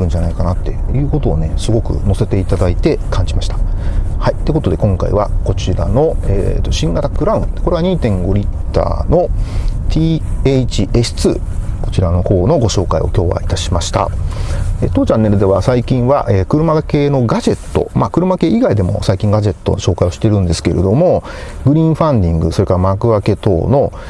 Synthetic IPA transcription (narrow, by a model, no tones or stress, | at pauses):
ɯ̟̃ɲ̟d͡ʑanaikanat̪ːe̞̰jɯ̟ːko̞t̪o̞̰ːne̞sɨɡo̞kɯ̟̰no̞se̞t̪e̞it̪ad̪ait̪e̞kʰãɲ̟d͡ʑimaɕi̥t̪ḁhait̪ːeko̞t̪o̞d̪e̞kõ̞ŋka̰ḭβa̰ko̞t͡ɕiɾa̰no̞ḛːt̪ːo̞ɕĩŋɡat̪akɯ̟ɾaɯ̟̃nd̪eko̞ɾe̞aɲ̟iːt̪ẽ̞ŋɡo̞ɾʲit̪ːa̰ːno̞t̪ʰiːet͡ɕiesɨ̥t͡sɨ̰ː | ko̞̥t͡ɕiɾano̞ho̞ːno̞ɡo̞ɕo̞ːkaḭo̞̰kʲo̞ːβa̰it̪aɕimaɕi̥t̪a̰ | eːt̪ːoːt͡ɕãnːe̞ɾɯ̟d̪e̞βasaikʲĩɰ̃βa̰ʔeːkɯ̟ɾɯ̟make̞ːno̞ɡad͡ʑe̞t̪ːo̞̰makɯ̟ɾɯ̟make̞ːʔiɡaid̪e̞mo̞̰saikʲĩŋɡaʑe̞t̪ːo̞ɕo̞ːkaijo̞ɕi̥t̪e̞ɾɯ̟̃nd̪e̞sɨ̥ke̞ɾe̞d̪o̞mo̞ɡɯ̟ɾʲĩːɰ̃ɸãnd̪ʲĩŋɡɯ̟so̞ɾe̞kaɾamakɯ̟βake̞t̪ːo̰no̞